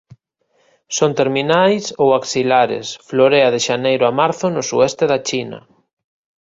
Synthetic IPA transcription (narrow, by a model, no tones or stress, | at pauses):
sont̪eɾminajsowaksilaɾḛsfloɾeɐðeʃanejɾʊamaɾθʊnʊsuɛst̪eðat͡ʃinɐ̰